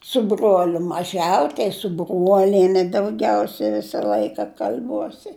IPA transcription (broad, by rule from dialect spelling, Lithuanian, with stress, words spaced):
sʊ ˈbruɔlʲʊ mɐˈʒʲɛʊ tɐɪ sʊ ˈbruɔlʲiɛnʲɛ dɐʊˈɡʲɛʊsʲɛ ˈʋʲɪsɐ ˈlˠɐɪkɐ kɐlʲˈbuɔsʲɪ